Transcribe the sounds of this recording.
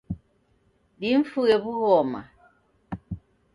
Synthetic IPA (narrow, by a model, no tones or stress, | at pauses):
diɱ̩fuɣeβuɣɔma̰